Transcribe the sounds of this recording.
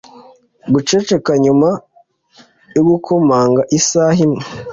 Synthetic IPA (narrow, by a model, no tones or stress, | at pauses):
ɡut͡ʃe̞t͡ʃekaɲuma | joɡukʰomaːŋɡaʔisaːhimŋe